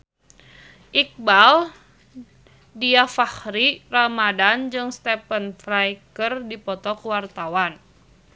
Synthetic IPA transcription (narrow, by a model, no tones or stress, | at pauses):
ʔik̚bal | diafahɾiramadand͡ʒɨŋst̪ɛpənflajkərdipɔt̪ɔkuwart̪awan